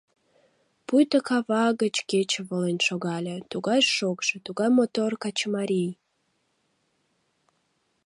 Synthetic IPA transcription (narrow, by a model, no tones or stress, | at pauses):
pujt̪əkɑβɑɣət͡ɕket͡ɕəβolenʲʃoɣɑlʲet̪uɣɑjʃokʒ̥ĕt̪uɣɑjmot̪orkɑt͡ɕmɑɾʲij